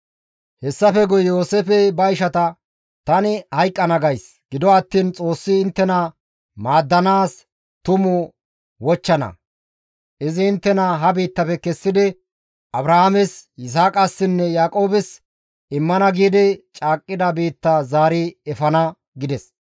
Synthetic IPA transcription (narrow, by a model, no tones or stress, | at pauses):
hɛsːɐfɛɡʊjjo̞ːseːfɛbɐjʃɐt̪ɐ | t̪ɐnɪhɐjkʼːɐnɐɡɐjs | ɡ̥ɪd̪ɔɐt̪ːiːnt͡sʼo̞ːsːɪːnt̪ːɛnɐ | maːd̪ːɐnaːs | t̪ʊmʊ | wɔt͡ʃːɐnɐ̰ | ʔɪzɪːnt̪ːɛnɐɦɐbiːt̪ːɐpɛkɛsːɪd̪ɪ | ʔɐbɾɐhamɛsɪs̬aːkʼɐsːɪnːɛjaːkʼo̞ːbɪs | ɪmːɐnɐɡiːd̪ɪt͡ʃʼaːkʼːɪd̪ɐbiːt̪ːɐzaːɾɪɛfɐnɐ | ɡɪd̪ɛs